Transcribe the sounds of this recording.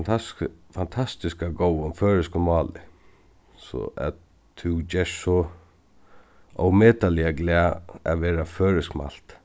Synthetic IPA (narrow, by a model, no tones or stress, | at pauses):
fant̪ʰast̪ɪskaɡowənføːɹɪskʊmɑːlɪ̰ | sɔ̰ʔa̰ | t̪ʰʉd͡ʒɛʂsɔ | ɔ̰wmeːt̪alɪaɡlɛːa̰ʋɛːɾaføːɹɪskma̰l̥t̪